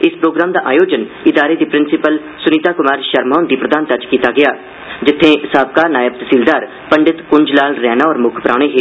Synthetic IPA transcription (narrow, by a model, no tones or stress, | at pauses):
ɪspɾoːɡɾaːmd̪aːʔa̰ːjoːd͡ʒənɪd̪aːɾeːd̪iːpɾɪnsɪpəl | sʊniːt̪aːkʊmaːɾʃəɾmɔːnd̪iːpɾəd̪aːnt̪ət͡ʃkiːt̪aːɡɪjaː | d͡ʒɪt̪ʰːẽːsaːb̚kaːɾnaːjəp̚t̪siːld̪aːɾ | pəɳɖɪt̪kʊɲd͡ʒlaːlɾɛːnaːɔːɾmʊkʰpɾʔa̰ːɽ̃eːɦeː